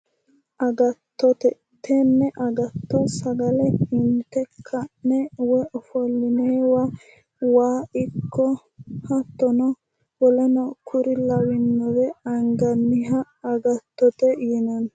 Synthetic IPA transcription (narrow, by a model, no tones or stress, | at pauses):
ʔɐɡɐt̪ːɔt̪ɛ | t̪ʰːɛnːɛʔɐɡɐt̪ːɔsɐɡɐlɛɡɪnt̪ɛkʰːɐnnɛwɔʔɔfɔlːɪneːwa | waːʔɪkːɔ | hɐt̪ːɔnɔ | wɔlɛnɔkʰʊɾɪlɐwɪnːɔwɛɐŋɡɐnːɪɦɐː | ɡɐt̪ːɔt̪ɛjɪnɐn